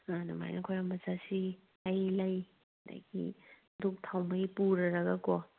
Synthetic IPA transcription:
anɐma̰jnɐkʰojɾambɐzasi | ajlaj | da̰jɡḭ | duk̚tʰawmɐjpuɾɐɾɐɡɐkɔ

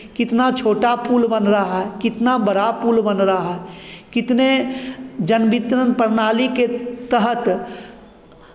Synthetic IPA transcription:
kɪt̪nat͡ʃʰoːʈapuːlbənɾəaɦɛkɪt̪nabəɽapuːlbənɾaɦaɦɛkɪt̪ne | d͡ʒənbɪt̪ɾənpəɾnaːliket̪əɦət̪

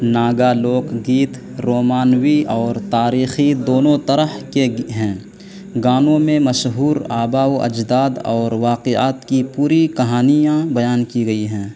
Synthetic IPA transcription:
naːɡaloːkɡiːt̪ | ɾoːmaːnwiɔːɾt̪aːɾiːxid̪oːnõt̪ɐɾəhkeɦɛ̃ː | ɡaːnõmẽmɐʃɦuːɾaːbaːwɐ̰d͡ʒd̪aːd̪ɔːɾʋaːqea̰ːt̪kipuːɾikɐɦaːnijãbɐjaːnkiɡɐiɦɛ̃ː

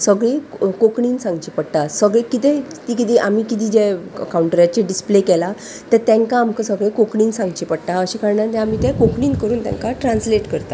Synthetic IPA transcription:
səɡɭekokɳiːnsãŋɡt͡ɕipəɽt̪asəɡɭekit̪et̪ikit̪iʔamiːkit̪iːd͡ʑeəkauɳʈəɾjat͡ɕeɖisplekɛla | t̪əɾt̪ɛ̃ŋkaːmkəsəɡɭekokɳiːnsãŋɡt͡ɕipəɽt̪aəɕikaɾɳat̪ɛ̃amiːt̪ɛ̃kokɳiːnkəɾuːnt̪jɛ̰̃ŋkaʈɾãnsleʈkəɾt̪a

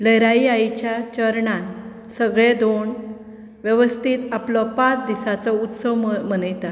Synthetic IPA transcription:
ləjɾaiajt͡ɕjat͡ɕəɾɳãn | səɡɭed̪oɳ | ʋjəʋəst̪ʰit̪aplɔpãt͡sd̪isat͡sɔut̪səʋm̤ənəjt̪a

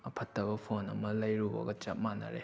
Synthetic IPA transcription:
ɐpʰɐtːɐbɐpʰonɐmɐlɐjɾubɐ̰ɡɐt͡ʃɐp̚manɐ̰ɾḛ

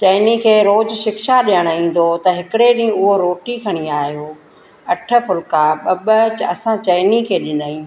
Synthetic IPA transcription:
t͡ɕɐɪnikʰeːɾoːd͡ʑʃɪkʃaɗijəɽ̃ĩːn̆d̪ot̪ɐɦɪkɪɽeɗĩʊɦoɾoːʈikʰɐɽ̃iaːɦijoː | ɐʈʰə̆pʊlkaɓɐɓət͡ɕɐsãt͡ɕɐɪnikʰeːɗɪnaːĩː

